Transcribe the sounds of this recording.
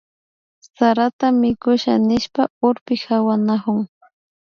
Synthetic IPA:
saɾat̪amɪkʊʃa̰nɪʃpaʊɾpɪxawanahʊŋ

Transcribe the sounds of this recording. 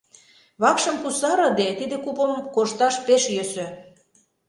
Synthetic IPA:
βɑkʃə̆mkusɑɾɤ̆d̪et̪id̪ĕkupəmkoʃt̪ɑʃpeʃjøsø̆

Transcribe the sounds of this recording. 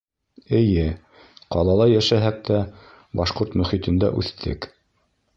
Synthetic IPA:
ɘ̆jɘ | qɑlˠɑlˠɑjæʃæɦæk̚t̪æ | bɑʃqoɾt̪mɵ̆χit̪ɘ̆nd̪æ̰ʔʉ̰θt̪ʰɘ̰k

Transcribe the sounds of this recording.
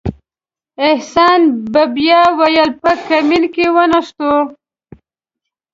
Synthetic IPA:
ɪhsɑnbabjɑwajəlpəkamɪlkewənaʂt̪o

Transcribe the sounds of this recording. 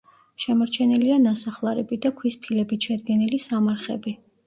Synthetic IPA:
ʃɛmɔɾt͡ʃʰɛnilianasaχlˠaɾɛbid̪akʰwispʰilɛbit̪ʃad̪̚ɡɛnilisamaɾχɛ̰bi

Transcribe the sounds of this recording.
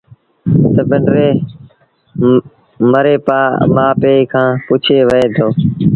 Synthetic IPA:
t̪əbəɳɖɾeː | məɾeːpaːmaːpeːikʰãːpuːt͡ʃʰeːʋəeːt̪ʰoː

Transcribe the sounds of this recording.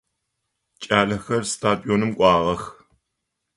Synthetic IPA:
t͡ʃʼaːɮɐxɐrstʰaːdʼioːnɨmkʷʼɑːʁɐx

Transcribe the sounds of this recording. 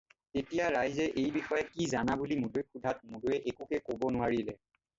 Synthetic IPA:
tetijaɹajzɛʔejbixɔjɛkizanabulimudojkudʱat̚modojɛʔekukɛkobɔnʊwaɹilɛ

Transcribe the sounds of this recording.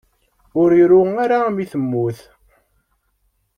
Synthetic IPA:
ʊɾiɾʊaɾamiθəmːʊθ

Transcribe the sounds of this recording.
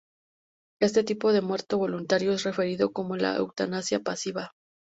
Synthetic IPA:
e̞st̪e̞t̪ipo̞ðe̞mwe̞ɾt̪o̞βo̞lunt̪aɾjo̞esre̞fe̞ɾiðo̞ko̞mo̞la̰ḛwt̪anasjapasiβa

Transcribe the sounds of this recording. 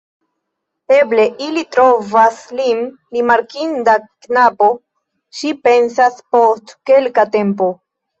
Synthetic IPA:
e̞ble̞ʔilitɾo̞vaslin | ɾimaɾkindaknapo̞ | ʃipe̞nsaspo̞stke̞lkate̞mpo̞

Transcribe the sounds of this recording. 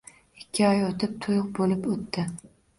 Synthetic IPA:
ɪkʲʰːɪɒjot̪ʰɪp̚t̪ʰʊjʊq̚bolɪpot̪ʰːɪ

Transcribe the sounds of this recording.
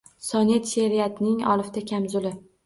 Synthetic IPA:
sɒnet̪ʃeɾijat̪nɪŋɒ̰lˠɨft̪akʲʰamzʊlɪ

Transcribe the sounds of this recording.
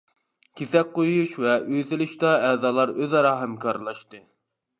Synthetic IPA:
kʲʰesɛk̚ʲqojuʃvɛʔyjt̪ɪlyʃt̪ɑɛzɑːlˠɑɾøzɑɾɑːɦɛmkʰɑɾlˠɑʃt̪ɨ

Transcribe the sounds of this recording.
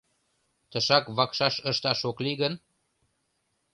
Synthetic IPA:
t̪əʃɑkβɑkʃɑʃəʃt̪ɑʃokliɣən

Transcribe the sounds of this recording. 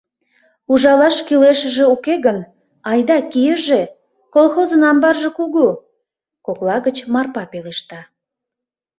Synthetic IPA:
uʒɑlɑʃkyleʃə̆ʒĕukeɣən | ɑjd̪ɑkijəʒe | kolˠxozənɑmbɑrʒekuɣu | koklɑɣət͡ɕmɑrpɑpeleʃt̪ɑ

